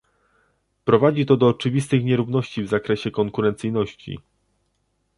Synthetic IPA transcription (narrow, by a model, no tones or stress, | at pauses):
pɾɔvad͡ʑit̪ɔd̪ɔːt͡ʂɘvʲist̪ɘxɲɛɾuvn̪ɔɕt͡ɕivzakɾɛɕɛkɔŋkuɾɛnt̪sɘjnɔɕt͡ɕḭ